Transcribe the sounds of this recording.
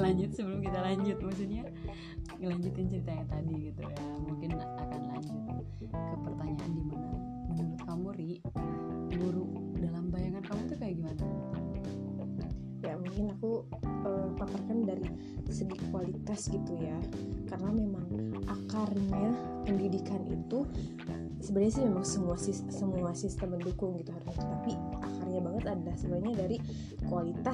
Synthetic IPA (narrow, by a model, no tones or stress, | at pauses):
laɲd͡ʒʊt̪səbəlʊmkit̪alaɲd͡ʒʊt̪̚maks̬ut̪̚ɲa | ŋəlaɲd͡ʒut̪ɪnt͡ʃəɾit̪ajaŋt̪adiɡit̪ṵjamuŋkɪnakanla̰ɲd͡ʒʊt̪̚ | kəpərt̪aɲaʔandimana | duɾʊt̪̚kamuɾiʔ | duɾu | dalambajaŋankamut̪ukajaɡimanait̪ | jamuŋkɪnaku | əmpap̪arkandaɾi | səɡikualit̪asɡit̪ujakaɾənamemaŋaxarɲa | pəndidikanḭt̪u | səbadaɲasimemaŋsəmuasisːəmuasist̪əməndukʊŋɡit̪uɦaɾusat̪u̥t̪apiaxarɲabaŋət̪anasəbaaɲadaɾi | kualit̪a